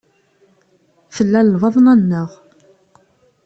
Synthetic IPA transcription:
θəlːælːvɑðˤnænːəʁ

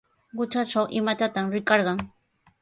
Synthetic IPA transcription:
ɢʊt͡ʃaʈ͡ʂawʔɪmat̪at̪amɾɪkɑɾɢɑŋ

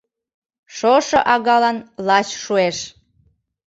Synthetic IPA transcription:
ʃoʃoʔɑɣɑlɑnlɑt͡ɕʃueʃ

